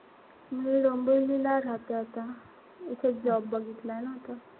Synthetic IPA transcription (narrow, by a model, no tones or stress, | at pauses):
miːɽombəjlilaɾat̪aat̪a | it̪ʰed͡zɔbːəɡʱit̪lajnaɦt̪a